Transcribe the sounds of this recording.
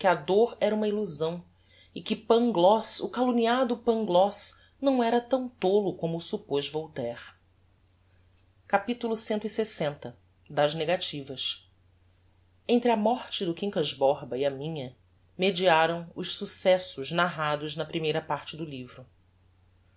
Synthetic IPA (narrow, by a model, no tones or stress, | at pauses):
kɪɐd̪oɾɛɾɐũmɐiluzɐ̃w̃ | ɪkɪpɐ̃ŋɡlɔsʊkaluniad̪ʊpɐ̃ŋɡlɔs | nɐ̃w̃ɛɾɐt̪ɐ̃w̃t̪olʊkõmʊːsupoʒvowt̪ɛɾ | kapit̪ulʊsẽnt̪ʊisesẽnt̪ɐ | d̪ɐzneɡat͡ʃivɐʃ | ẽnt̪ɾɪɐmɔɾt͡ʃɪd̪ʊkĩŋkɐzbɔɾbɐiɐmĩɲɐ | med͡ʒiaɾɐ̃w̃ʊʃsusɛsʊʒnaɦad̪ʊznɐpɾimejɾɐpaɾt͡ʃɪd̪ʊlivɾʊ